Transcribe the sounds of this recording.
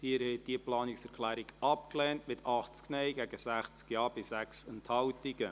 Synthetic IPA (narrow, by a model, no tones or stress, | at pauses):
d̥iəɾhɛd̥iəplɑːnɪksɛɾklæːɾiɡɑpklɛːntmɪtʰɑχt͡sknɛɪɡæɡ̥əsæχt͡skjɑːb̥ɪsæksɛnthɑwtiɡə